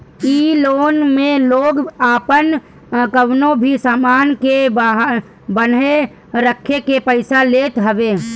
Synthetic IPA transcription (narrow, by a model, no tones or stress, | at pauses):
iːloːnmẽloːɡaːpən | kəwnõbʱisaːmaːnkeb | bəne | ɾəkʰːekepəɪsaleːt̪ɦəbeː